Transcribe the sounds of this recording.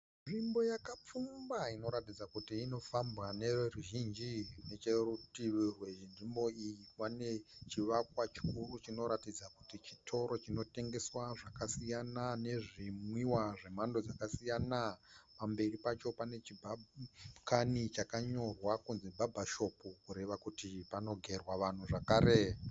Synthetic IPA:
ʐimbo̞jakap͡fumbaino̞ɾatid͡zakutiːno̞fambɣane̞ruʒind͡ʒine̞t͡ʃerutiʋirweindimbo̞ijiwane̞t͡ʃiʋakwat͡ʃi̥kuɾut͡ʃino̞ɾatid͡zakutit͡ʃitʰo̞ɾo̞t͡ʃino̞te̞ŋɡe̞swaʐakasijanane̞ʐimwiwaʐe̞mando̞d͡zakasijanapambe̞ripat͡ʃo̞pane̞t͡ʃibʱakanit͡ʃakaɲo̞rwakunzebʱabʱaʃo̞pukuɾe̞ʋakutipano̞ɡʱe̞rwaʋan̤uʐakaːɾe

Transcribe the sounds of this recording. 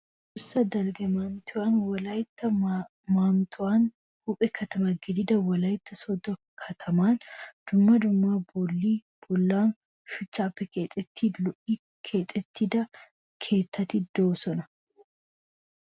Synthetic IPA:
ʔʊsɐd̪ɐlɡɛmaːmt̪ʊaːnwɐlajɪt̪ːɐ | maːmt̪ʰʊaːn | hʊpʼɛkʰɐt̪ʰɐmɐɡɪd̪ɪd̪ɐwɐlaːjɪt̪ːɐsɔd̪ɔ | kʰɐt̪ʰɐmaːnd̪̥ʊmːɐd̪ʊmːaːbʊlːiː | b̥ʊlːaːn | ʃʊt͡ʃːaːpːɛkeːt̪ʼːɛt̪ːiːlɔʔiː | kʰe̞ːt̪ʼːɛt̪ːɪd̪ɐ | kʰe̞ːt̪ːɐt̪ɪd̪oːsɔnɐ̥

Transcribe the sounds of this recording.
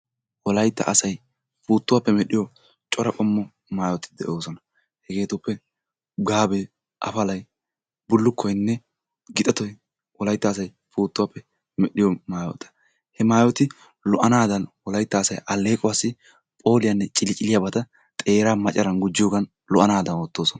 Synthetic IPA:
wɔlɐjt̪ːɐ̰ʔɐsɐj | fuːt̪ːʊwaːpːɛmɛɗɪjɔ | t͡ʃʼɔɾɐkʼɔmːɔ | maːjɔt̪ɪd̪ɛʔo̞ːsɔnɐ | hɛɡe̞ːt̪ʊpːɛ | ɡaːbeː | ʔɐ̰fɐlɐj | bʊlːʊkʰːɔjnːɛ | ɡɪt̪ʼɐt̪ɔjɛ | wɔlɐjt̪ːɐːs̬ɐj | fuːt̪ːʊwaːpːɛ | mɛɗɪjɔmaːjɔ̰t̪ʰɐ̥ | hɛmaːjɔt̪ɪ | lɔʔɐnaːd̪ɐnwɔlɐjt̪ːɐːsɐjʔɐlːe̞ːkʼɔwaːsːɪ | pʼo̞ːlɪjɐnːɛt͡ʃʼɪlɪt͡ʃʼɪlɪjabɐt̪ɐ | t̪ʼe̞ːɾaːmɐt͡ʃʼːɐɾɐnɡʊd͡ʒːɪjoːɡɐn | lɔʔɐnaːd̪ɐnwɔt̪ːo̞ːsɔnɐ

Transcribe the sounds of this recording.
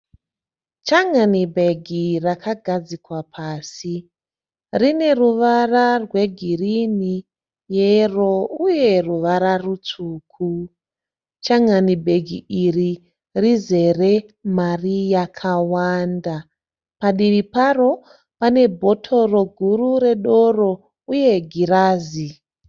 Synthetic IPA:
t͡ʃaŋanibʱe̞ɡʱirakʰaɡʱad͡zikwapʰaːsi | rine̞ruʋararwe̞ɡʱirini | jero̞uje̞ruʋaɾarut͡suːkʰu | t͡ʃaŋanibʱe̞ɡʱiʔiri | rize̞re̞marijakʰawanda | paɗiʋiparo̞ | pane̞bʱo̞tʰo̞ro̞ɡʱurure̞ɗo̞ro̞ | uje̞ɡʱiɾaːzi

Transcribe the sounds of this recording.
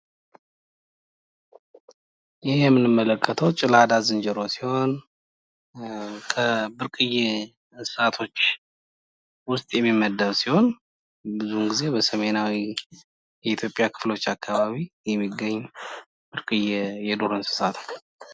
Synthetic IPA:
jɪhjɛmːɨnɨmːələkʰʼːət̪ʰəwt͡ʃʼɪlad̪azɨnd͡ʒɛɾo̞siho̞n | kʰəbɨɾkʼɨje | sɨ̥sat̪ʰo̞t͡ʃː | wʊst̪ʼjɛmːimːəd̪ːəwsiho̞n | bɨzumɡize̞bəsəme̞nawi | jɛit̪ʰjo̞pʼjakʰɨ̥flo̞t͡ʃːakʰːaβaβijɛmːiɡəɲː | bɨɾkʼɨjejɛd̪oɾɨnsɨ̥sat̪ʰ

